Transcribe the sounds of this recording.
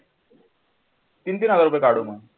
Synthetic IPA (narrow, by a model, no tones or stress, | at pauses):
t̪int̪iːnad͡zaɾup̬əjkaɽumə